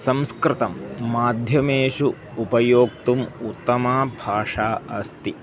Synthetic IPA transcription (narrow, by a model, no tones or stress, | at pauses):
sɐmskɾɪt̪ɐmːaːd̪ʱjɐmeːʂuː | pɐjoːk̚t̪umut̪ːɐmaːbʱaːʂaːɐst̪i